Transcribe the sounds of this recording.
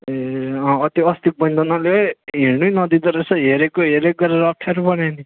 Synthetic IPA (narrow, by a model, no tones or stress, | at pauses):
eʌ̃ʌt̪oʌst̪ik̚bʌnd̪ʱʌnaleɦenujnʌd̪id̪ʌɾesʌɦeɾekoɦeɾek̚ɡʌɾeɾʌʌp̚ʈʰaɾubʌnani